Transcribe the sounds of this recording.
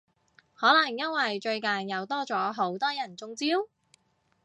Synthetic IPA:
hɔː˨˥lɐ˨˩ŋjɐ˥nwɐ˨jt͡ʃɵ˧ɥka˨njɐ˨˧wt̪ɔː˥t͡sɔː˨˥ɦo˨˥wt̪ɔː˥jɐ˨˩nt͡sʊ˧ŋt͡siː˥w

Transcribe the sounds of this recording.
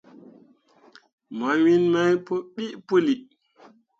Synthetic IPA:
m˨a˨˦wi˦nma˦jpo˦ɓi˦ʔpu˦li˨

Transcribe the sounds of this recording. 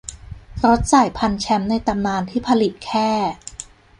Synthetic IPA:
ɾo˦˥t̪̚saː˨˩jpʰa˧nt͡ɕʰɛ˦˥mna˧jt̪a˧mnaː˧nt̪ʰiː˥˩pʰa˧li˨˩t̪̚kʰɛː˥˩

